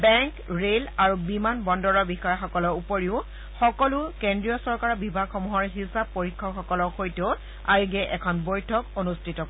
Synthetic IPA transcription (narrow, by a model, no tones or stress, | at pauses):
bɛŋkɹelaɹubimanbɔndɔɹɔbixɔjɔxɔkɔlɔupoɹiʊ | xɔkɔlʊkendɹijɔsɔɹkaɹɔbibʱaɡxɔmuɦɔɹɦisab̚poɹikʰːɔkxɔkɔlɔxojteʊ | aɹiɡɛʔɛkʰɔnbojtʰɔkonustʰitɔk